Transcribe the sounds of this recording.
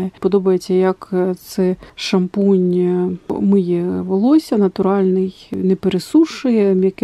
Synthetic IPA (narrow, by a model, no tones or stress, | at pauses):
ɛpɔd̪ɔbɐjet͡sʲːɐjɐkt̪sɛʃɐmpɔnʲ | mɨjɛʋɔlˠɔsʲɐnɐt̪ʊɾɑlʲnɪjnɛpeɾesuʂɪjɛjɐk